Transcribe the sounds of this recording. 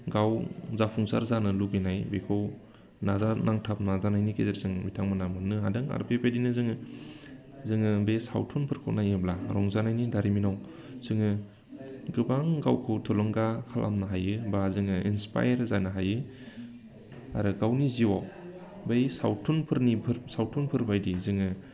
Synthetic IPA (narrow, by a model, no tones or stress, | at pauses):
ɡawzapʰuŋsa̰ɾzanɯlubinajbekʰɯw | nazanaŋtʰap̚nazanajnikezeɾzɯŋmitʰaŋmanamɯnɯa̰dɯŋa̰ɾpʰepʰedinɯzɯŋɯ | zɯŋɯbejsa̰wtʰunpʰɯɾkʰɯ̰wnajɯblaɾɔŋzanajnidaɾiminaw | z̥ɯŋɯ | ɡɯbaŋɡawkʰɯwtʰulɔŋɡakʰalʔa̰mnaɦajɯbazɯŋɯḭnspa̰jɾzanaɦajɯ | a̰ɾɯɡawniziwaw | bejsa̰wtʰunpʰɯɾnipʰɯɾsawtʰunpʰɯɾbajdizɯŋɯ